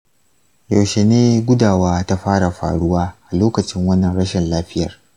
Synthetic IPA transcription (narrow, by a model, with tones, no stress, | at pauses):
ja˨wʃe˨neː˦ɡʷʊ˦daː˨waː˦ta˦ɸaː˦ɽa˨ɸa̰ː˨ɽʊ˦waː˦ʔa˨loː˦kɐ˨t͡ʃɪ˦ŋwɐ˦nːɐ˨nɽɐ˦ʃɪ˨nlaː˦ɸɪ˦jɐ̰˨r